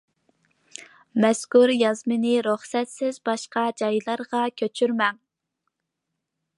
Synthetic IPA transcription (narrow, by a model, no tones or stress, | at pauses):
mɛskuɾjɑzmɨnɪɾuχsɛt̪sɪzbɑʃqɑd͡ʒɑjlˠɑɾʁɑkʲʰøt͡ʃʰyɾmɛŋ